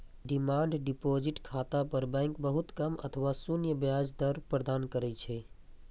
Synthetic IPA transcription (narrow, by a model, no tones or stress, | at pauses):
ɖɪmaːɳɖɖɪpoːd͡ʒɪʈkʰaːt̪apəɾbɛ̃ːŋkbəɦʊt̪kɐmɐ̰t̪ʰəʋasunjəbjaːd͡ʒd̪əɾpɾəd̪aːnkəɾɛt͡ʃʰɛ